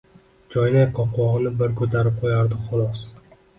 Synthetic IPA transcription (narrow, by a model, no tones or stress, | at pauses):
d͡ʒɒjlaqʰɒqʰwɒʁɨnɪbɪɾkʰɵt̪ʰaɾɪp̚qʰojaɾd̪ɪχʊlˠɒs